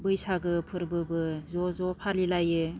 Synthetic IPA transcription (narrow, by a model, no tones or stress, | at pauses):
bɯjsaɡɯpʰɯɾbɯbɯzɔzɔpʰalilajɯ